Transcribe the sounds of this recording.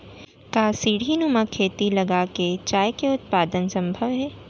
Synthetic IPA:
kaːsiːɽ̤ʱinumakʰeːt̪ilɐɡaket͡ʃaːjkeʊt̪̚paːd̪ənsɐ̃mbʱəʋɦɛː

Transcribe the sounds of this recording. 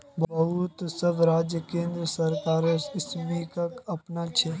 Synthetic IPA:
bbɐɦut̪səbɾaːd͡ʒjəkẽːnd̪ɾəsɐɾkaːɾɪsmikɐkɐpnat͡ʃʰe

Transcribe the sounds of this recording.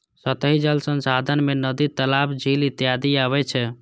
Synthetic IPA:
sət̪əɦid͡ʒəlsənsad̪ʱənmenəd̪it̪əlabʰd͡ʒʱilit̪jad̪iaβɛt͡ʃʰɛ

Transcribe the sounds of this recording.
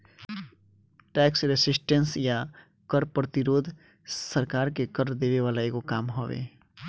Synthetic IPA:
ʈɛːksɾesɪsʈə̃nsja | kəɾpɾət̪ɪɾoːd̪ʱ | səɾkaːɾkekəɾɾd̪eːʋeʋaːlaekokaːmɦoːʋḛː

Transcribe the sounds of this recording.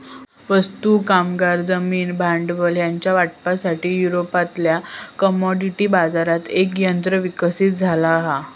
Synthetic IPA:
ʋəst̪ukamɡaɾd͡zəmiːnbʱaɳɖʋəljaɲt͡ɕjaʋaʈ̚pasaʈiːjuɾopat̪ljakəmɔɖiʈibad͡zaɾat̪ekjənt̪ɾəʋikəsiːt̪̚d͡zʱalaːɦa

